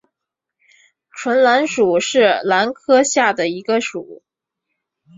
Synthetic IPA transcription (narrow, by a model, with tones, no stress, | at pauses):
ʈ͡ʂʰwə˧˥nla˧˥nʂu˨˩˦ʂɻ̩˥˩la˧˥nkʰɤ˥ɕja˥˩d̪ə˩i˧˥ɡə˧ʂu˨˩˦